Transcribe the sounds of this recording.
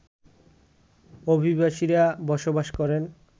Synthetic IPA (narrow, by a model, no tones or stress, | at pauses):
obʱibaʃiɾabɔʃobaʃkɔɾen